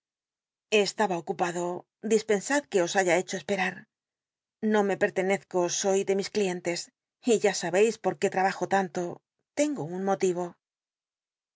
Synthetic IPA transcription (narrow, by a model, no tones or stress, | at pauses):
eːst̪aβaokupaðo̞ | d̪ispe̞nsaðke̞o̞saʝae̞t͡ʃo̞espe̞ɾaɾ | no̞me̞pe̞ɾt̪e̞ne̞θko̞so̞jðe̞misklie̞nt̪e̞s | iʝasaβe̞jspo̞ɾke̞t̪ɾaβaxo̞t̪ant̪o̞ | t̪e̞ŋɡo̞unmo̞t̪iβ̞o̞